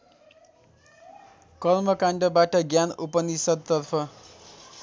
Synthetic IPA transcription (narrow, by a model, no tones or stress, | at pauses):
kʌlmʌkaɳɖʌbaʈʌɡjanupʌnisʌd̪̚t̪ʌrpʰʌ